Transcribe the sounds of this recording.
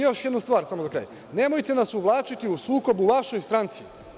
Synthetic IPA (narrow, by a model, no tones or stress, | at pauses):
jo̞ʃjed̪nust̪ʋaːɾsamozakɾa̰j | ne̞mo̞jt̪e̞nasuʋlˠaːt͡ʃit̪iusuːko̞buʋaʃo̞jst̪ɾant̪si